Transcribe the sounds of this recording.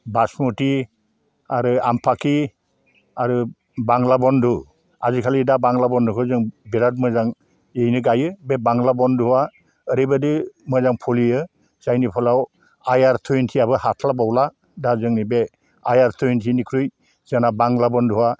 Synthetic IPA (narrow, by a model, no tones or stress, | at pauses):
basmuti | aɾɯampʰaki | aɾɯ | baŋlabɔndu | azikʰalidabaŋlabɔndɯkʰɯzɯŋbiɾat̚mɯzaŋ | ejnɯɡajɯbebaŋlabɔnduwa | əɾibadɯmɯzaŋpʰɔliɯ | z̥ajnipʰɔlaw | ajaɾtʰujntʰiabɯhatʰlabawla | dazɯŋnibe | ajaɾtʰujntʰinikʰɾuj | z̥anabaŋlabɔnduwa